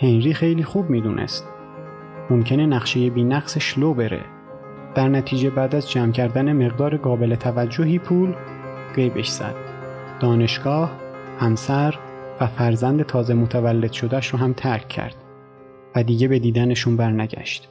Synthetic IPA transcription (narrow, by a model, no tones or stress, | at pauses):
henɾiːxe̞jliːxuːbmiːd̪uːnʔḛst̪̚ | momcʰe̞nenæɣʃeje̞biːnæɡseʃlobe̞ɾḛ | d̪̥æɾnæt̪ʰiːd͡ʒe̞bæːd̪æzd͡ʒæːmcʰæɾd̪æneme̞ɣd̪ɒːɾeɡɒːbe̞let̪ʰævæd͡ʒːoɦiːpʰuːl | ɢejbe̞̰ʃz̥æ̰d̪̥ | d̪̥ɒːne̞ʃɡ̥ɒːhhæmsæɾvæfæɾzænd̪e̞t̪ʰɒːzemot̪ʰævælːe̞d̪ʃo̞d̪æʃɾɔːɦæmt̪ʰæɾcʰːæ̰ɾd̪̥ | væd̪iːɟe̞be̞d̪iːd̪æneʃunbæɾnæɟæ̰ʃt̪